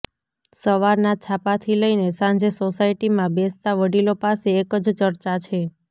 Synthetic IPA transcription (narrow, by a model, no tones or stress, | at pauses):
səʋaɾnat͡ʃʰapat̪ʰiləinesãɲd͡ʒesosaiʈimãbest̪aʋəɽilopaseːkəd͡ʒt͡ʃəɾt͡ʃat͡ʃʰe